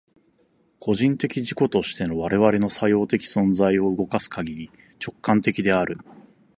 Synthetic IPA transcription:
kʰo̞ʑĩnt̪e̞kʲiʑiko̞t̪o̞ɕi̥t̪e̞no̞β̞aɾe̞βaɾe̞no̞sajo̞ːt̪e̞kʲi̥sõ̞nzaio̞ɯɡo̞kasɨ̥kaɡʲiɾʲi | t͡ɕo̞kːãnt̪e̞kʲid̪e̞aɾɯ̟

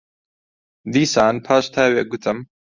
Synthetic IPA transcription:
d̪iːsaːnpʰaːʃt̪ʰaːweːɡʊt̪ʰɨm

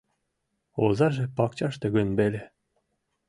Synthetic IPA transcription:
ozɑʒĕpɑk̚t͡ɕɑʃt̪ĕɡə̆nbelʲe

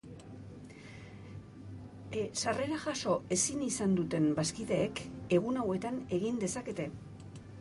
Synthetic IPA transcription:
sare̞ɾaʝaso̞e̞sinisand̪ut̪e̞mbaskiðe̞ːke̞ɣ̞unawe̞t̪ane̞ɣind̪e̞sake̞t̪e̞

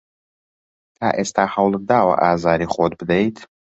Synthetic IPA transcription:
t̪ʰaːʔeːst̪ʰaːhɐwlˠɨd̪aːwɐ̰ʔaːzaːɾiːχoːd̪̚bɨd̪ejt̪ʰ

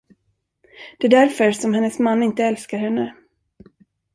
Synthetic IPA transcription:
d̪̥ɛæd̪æɾfœɾsɔmhɛnːəsmanːɪnt̪əɛlskaɾhɛnːə

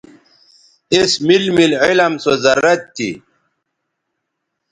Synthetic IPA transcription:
esmilmilʕilɐmsozɐɾːɐt̪ːḭ

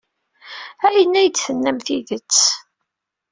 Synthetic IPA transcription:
æjənːæjd̪θənːæmθiðət͡sː

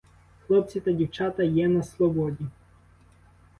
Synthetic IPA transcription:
xlˠɔp̚t͡sʲit̪ɐdʲiwt͡ʃɑt̪ɐjɛnɐslˠɔbɔdʲi

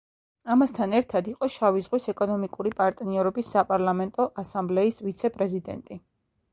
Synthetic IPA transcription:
amast̪ʰanɛɾt̪ʰad̪iqʼɔʃavizʁwisɛkʼɔnɔmikʼuɾipʼaɾt̪ʼniɛɾɔbisːapʼaɾlˠamɛnt̪ʼɔʔasamblɛisvit̪sʰɛpʼɾɛzid̪ɛ̰nt̪ʼi

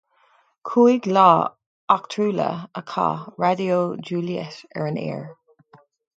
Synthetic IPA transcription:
kʰuːiɡlɑː | akt̪ʰɹuːlə̰əkʰɑ̰ːɹadioːd͡ʒuːliə̰sɛ̰ɹənɛ̰ːɹ

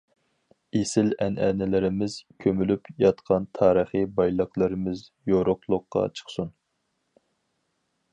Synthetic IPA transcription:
esɪlɛnɛnɪlɪɾɪmɪz̥kʲʰømylypjɑt̪qʰɑnt̪ʰɑːɾəχibɑjlˠəqlˠɨɾɪmɪz | joɾoχlˠʊqːɑ̰t͡ʃʰə̥χsun

